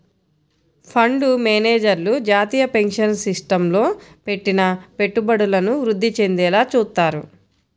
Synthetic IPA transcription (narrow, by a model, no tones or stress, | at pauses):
pʰɐɳɖumeːneːd͡ʒɐɾlud͡ʒaːt̪iːjɐpe̞ŋkʂɐnsisʈɐmlo̞ːpe̞ʈːinɐpe̞ʈːubɐɽulɐnuʋɾud̪ʱːit͡ʃe̞nd̪ɛːlaːt͡ʃuːt̪ːaːɾu